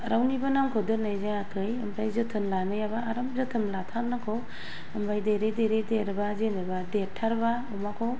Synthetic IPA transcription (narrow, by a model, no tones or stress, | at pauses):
ɾawnibanamkʰodɯnajzaakʰɯjɐmpʰajzɯtʰɯnlanɯjabaːɾamzɯtʰɯnlatʰannːakʰow | ampʰajdeɾedeɾedeɾbazenɯbadetʰːaɾba | umakʰow